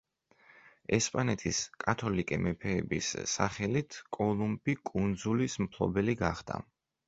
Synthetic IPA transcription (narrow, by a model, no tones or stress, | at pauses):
ɛspʼanɛt̪ʰiskʼat̪ʰɔlikʼɛmɛpʰɛːbḭsːaχɛlit̪ʰkʼɔlˠumbikʼund̪zulismpʰlˠɔ̰bɛliɡaχd̪̥a̰